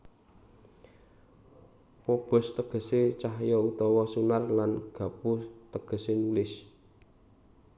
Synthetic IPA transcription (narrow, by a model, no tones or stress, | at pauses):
pob̥ɔ̤st̪əɡ̥ə̤set͡ʃaɦjɔut̪ɔwɔsunarlanɡ̥ä̤put̪əɡ̥ə̤senulɪs